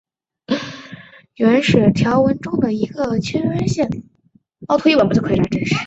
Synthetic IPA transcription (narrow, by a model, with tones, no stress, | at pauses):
ɛ˧˥nʂɻ̩˨˩t̪ʰjɑ˧˥ʊwə˧˥nʈ͡ʂʊ˥ŋd̪ə˨i˧˥ɡə˧t͡ɕʰɛ˥nɥɛ˥nɕjɛ˥˩n | ɑ˥˧ʊt̪ʰu˧˥i˥˩wə˨˩npʰkʰʈ͡ʂa˥ʈ͡ʂə˥˧ʂɻ̩˥˩